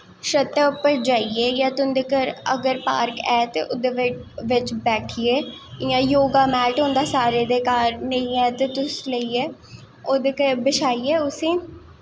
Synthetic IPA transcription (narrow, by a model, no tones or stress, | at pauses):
ʃət̪ːəʊpəɾd͡ʒaːieːjãːt̪ʊnd̪eːkəɾə̰ɡəɾpa̰ːɾkɛːt̪ḛːʔʊd̪eʋʋɪt͡ʃbɛːʈʰɪeːɪjãːjoːɡaːmɛːʈɦõːnd̪aːsaːɾeːd̪eːkaːɾnəĩːɛːt̪eːt̪ʊsləiːɛː | oːd̪eːkəɾbɪʃaːiːɛːʊsĩː